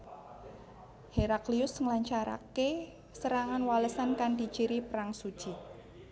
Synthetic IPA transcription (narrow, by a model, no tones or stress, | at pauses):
heɾakliʊsŋlaɲt͡ʃaɾa̰ke | səɾaŋanwaləsankand̪i̤̥t͡ʃiɾipɾaŋsu̥t͡ʃi